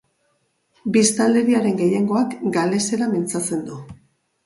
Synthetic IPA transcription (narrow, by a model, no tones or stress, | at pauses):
bist̪ald̪e̞ɾiaɾe̞ŋɡe̞je̞ŋɡo̞akɡale̞se̞ɾamint͡sat͡se̞nd̪u